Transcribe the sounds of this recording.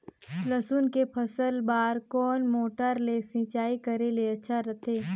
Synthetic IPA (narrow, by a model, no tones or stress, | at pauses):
ləsunkepʰɐsəlbaːɾkɔːnmoːʈəɾlesɪ̃ːt͡ʃaːikɐɾeleɐtːʃʰaɾɐt̪ʰeː